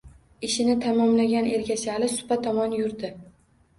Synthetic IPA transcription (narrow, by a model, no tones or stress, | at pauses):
ɪʃɪnɪt̪ʰamɒmlaɡʲane̞ɾɡʲasɪlɪsʊ̥pat̪ʰɒmɒnjʊɾd̪ɪ